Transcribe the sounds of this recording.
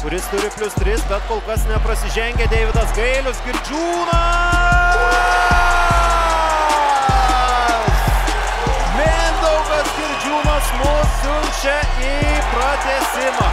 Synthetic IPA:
kʊɾʲɪst̪ʊɾʲɪpʲlʲʊst̪ʲɾʲɪsbʲɛt̪koːlˠkɐsnʲɛpɾɐsʲɪʒʲɛŋʲɡʲɛd̪ʲeːʋʲɪd̪ɐsɡɐɪlʲʊsɡʲɪɾʲd͡ʒʲuːnɐ | s | mʲenʲd̪ɐʊɡɐsɡʲɪɾʲd͡ʒʲuːnɐsmʊsʲ | ʊmʲʃʲɛ | ipɾɐt̪ʲɛsʲɪmɐː

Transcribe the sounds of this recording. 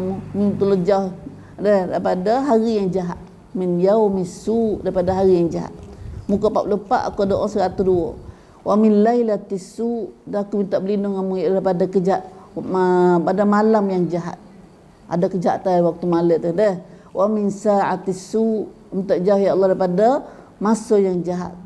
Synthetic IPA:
amumit̪ulod͡ʒauh | dəhdaipadaɦaɾijaŋd͡ʒaɦat̪̚ | mɪnjawmisuʔdaɾipadaɦaɾijaŋd͡ʒaɦa̰t̪̚mukapaṵʔləpa̰ʔa̰kudoʔɔŋsəɾat̪uhduo | wʔaminlailat̪isuʔdaɦakumint̪aʔbəlinʊŋamuʔdaɾipadakəd͡ʒaʔ̪ | padamalamjaŋd͡ʒaɦa̰t̪̚ | ʔa̰dakəd͡ʒaʔt̪awak̚t̪umalət̪ədəh | wʔamɪnsaʕat̪isuʔ | mit̪aʔd͡ʒauhjalːɑhdaipada | masojaŋd͡ʒaɦa̰t̪̚

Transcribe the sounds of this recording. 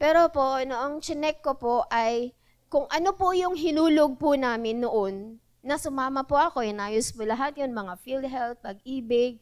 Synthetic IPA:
pɛːɾopoʔnoʔɐŋt͡ʃɪnɛkːopoʔɐj | kʊŋʔɐnopʊjʊŋɦɪnuːloɡ̚pʊnaːmɪnːoʔo̞nː | ɐsʊmaːmɐpʊʔɐko̞ʔɛnaːjospʊlɐɦat̪̚jʊnmɐŋafild̪̚ɦɛlt̪̚pɐɡ̚ʔiːbɪɡ̚

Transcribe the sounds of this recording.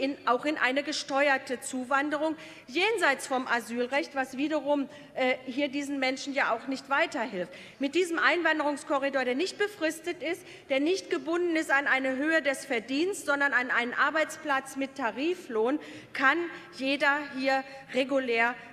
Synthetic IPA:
ʔɪnʔaʊxɪnʔa̰ɪnəɡəʃtɔʏɐtət͡suːvandəʁʊŋ | jeːnzaɪt͡sfɔmʔazyːlʁɛçtv̥asv̥iːdɐʁʊm | ʔɛːhiːɐdiːzn̩mɛnʃn̩jaːʔaʊxnɪçtv̥aɪtɐhɪlft | mɪt̚d̥iːzəmʔaɪnvandəʁʊŋskʰɔʁidoːɐɾeːɐnɪçt̚b̥əfʁ̥ɪstətɪst | d̥eːɐnɪçtɡ̥əbʊndn̩ɪstanʔaɪnəɦøːədɛsfɛɐdiːnstz̥ɔndɐnʔanʔaɪnənʔaɐbaɪt͡spl̥at͡smɪtʰːaʁiːfloːn | kʰanjeːdɐɦiːɐ | ʁeɡuleːɐ

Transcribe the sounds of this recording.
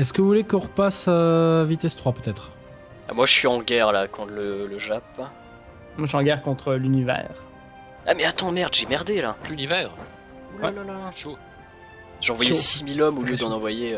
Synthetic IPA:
ɛskəvuvulekɔ̃ʁəpasəvit̪ɛst̪χwapøt̪ɛt̪χ | a̰mwaʒəsɥiɑ̃ɡʲɛʁlakɔ̃t̪lələʒap | mwaʃɑ̃ɡɛʁkɔ̃t̪χəlynivɛ̰ːʁ | a̰mɛat̪ɑ̃mɛʁd̪ʒemɛʁd̪ela̰plylivɛːʁ | wɛaʃo | ʒɑ̃vwajɛsimilɔmoljəd̪ɑ̃nɑ̃vwaje

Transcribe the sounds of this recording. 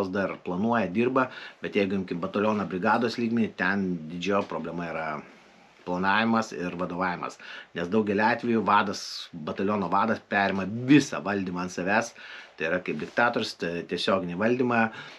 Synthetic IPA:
osd̪ɐrplˠɐnuɔjɛd̪ʲiːrbɐbʲɛt̪jɛɪɡʊjɪmʲkʲɪmbɐt̪ɐlʲoːnɐbʲɾʲɪɡɑːd̪oːslʲiːɡmʲɛnʲɪt̪ʲɛnd̪ʲɪd͡ʒʲoːpɾoːbʲlʲɛmɐiːɾɐ | plˠɐnɑːʋʲɪmɐsɪrʋɐd̪oːʋɑːʋʲɪmɐ̰snʲɛsd̪ɐʊɡʲɛlʲɪɑːt̪ʲʋʲɛjʊʋɑːd̪ɐsbɐt̪ɐlʲoːnoːʋɑːd̪ɐspʲæːɾʲɛmɐʋʲɪsɑʋɐlʲd̪ʲimɐɐnt̪sɐʋʲæːst̪ɐɪiɾɐkɐɪp̚d̪ʲɪkt̪ɑːt̪oːɾʲʊst̪ɐt̪ʲiɛsʲoːɡʲɪnʲiʋɐlʲdʲiːmɑ

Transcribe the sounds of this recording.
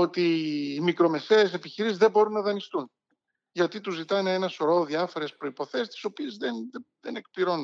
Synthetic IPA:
o̞t̪iːmikɾo̞me̞se̞ːse̞piçiɾisizðebo̞ɾunːɐðɐnist̪un | ʝɐt̪it̪uzit̪ɐneenɐsoɾo̞ðiɐfo̞ɾe̞spɾo̞ipo̞θe̞st̪i̥so̞pie̞zðenðe̞ne̞k̚pliɾo̞n

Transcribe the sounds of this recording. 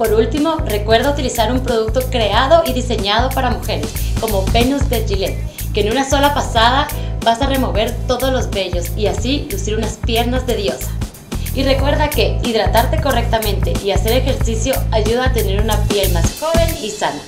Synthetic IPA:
po̞ɾult̪imo̞re̞kwe̞ɾðaut̪ilisaɾumpɾoð̞uk̚t̪o̞kɾe̞að̞o̞iðise̞ɲað̞o̞paɾamuxe̞ɾesko̞mo̞pe̞nuzd̪eʝilen | ke̞ːnunaso̞lapasaðaβasare̞mo̞βe̞ɾt̪o̞ðozlo̞zβe̞ʎo̞siasilusiɾunaspje̞ɾnazðe̞ðjo̞sḁ | ire̞kwe̞ɾðake̞iðɾat̪aɾt̪e̞ko̞re̞k̚t̪amẽ̞nt̪e̞ʔiase̞ɾexe̞ɾsisjo̞aʝuðaːt̪e̞ne̞ɾunapje̞lmasxo̞βe̞nisana

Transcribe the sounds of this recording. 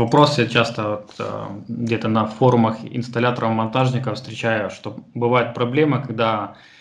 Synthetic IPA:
vɐpɾo̞sət͡ɕast̪əvot̪ | ɡdʲe̞t̪ənɐfo̞ɾʊməxɪ̰nst̪ɐlʲat̪əɾʔəfmɐnt̪aʐnʲɪkəfst̪ɾʲɪt͡ɕæjʊʂt̪obɨvajɪt̪̚pɾɐblʲe̞məkɐɡ̚d̪a

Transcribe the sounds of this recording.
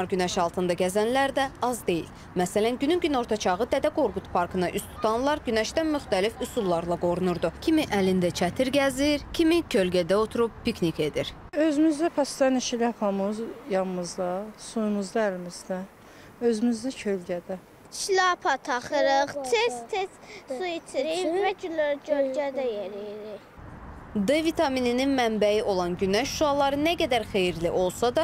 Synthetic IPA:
ɑɾɟynæʃɑlˠt̪ʰɯnd̪ɑɟæzænlæɾd̪æɑzd̪e̞jḭl | mæsælænɟynymɟyno̞ɾt̪ʰɑt͡ʃʰɑʁɯd̪æd̪æɡoɾɡut̪ʰpʰɑɾkʰɯnɑʔyst̪ʰu̥t̪ʰɑnlˠɑɾɟynæʃd̪ænmyχt̪ælifusulˠːɑɾlˠɑɡo̞ɾunuɾd̪ucʰimiʔælind̪æt͡ʃʰæt̪ʰiɾɟæziɾcʰimicʰølɟæd̪æo̞t̪ʰuɾub̥̚pʰiknike̞d̪iɾøzymyzd̪æpʰæsd̪æniʃilihɑpʰɑmɯzjɑnmɯzd̪ɑsujumuzd̪ɑælmizd̪æ | ø̞zymyzd̪æcʰølɟæd̪æ | ʃilɑpʰɑt̪ʰɑχɯɾɯχt̪ʰest̪ʰessujit̪ʰiɾimæɟynlæɾcʰølɟæd̪æjeɾijɾi | d̪evit̪ʰɑminininmæmbæjiʔo̞lˠɑnɟynæçʃuɑlˠɑɾɯnæɡæd̪æɾxejiɾliʔo̞lˠsɑd̪ɑ

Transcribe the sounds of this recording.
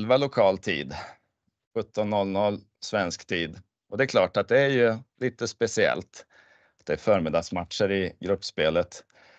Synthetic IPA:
lvalʊkʰɑːlt̪ʰḭːd̪ | ɧɵt̪ːɔnːɔlːnɔlː | svɛnskt̪ʰiːd̪ | ʔɔd̪ɛæɾkʰlɑːʈat̪̚d̪ɛæɾjɵliːt̪əspɛsɪɛ̰lt̪ | at̪̚d̪ɛæɾfœːɾmɪd̪ɑsmat̪ʂəɾɪɡɾɵpːspeːlət̪

